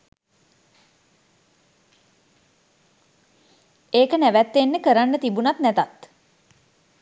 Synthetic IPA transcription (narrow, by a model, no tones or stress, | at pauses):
eːkənæʋæt̪ːenːəkəɾanːət̪ibunat̪nɛt̪at̪